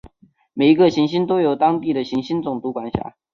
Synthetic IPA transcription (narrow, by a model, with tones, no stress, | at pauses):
me˨˩ɪi˧˥ɡə˧ɕi˧˥ŋɕi˥nt̪o˥ʊjo˨˩ʊt̪ɑ˥ŋt̪i˥˩d̪ə˩ɕi˧˥ŋɕi˥nt͡sʊ˨˩ŋt̪u˧˥kwa˨˩nɕja̰˨˥˦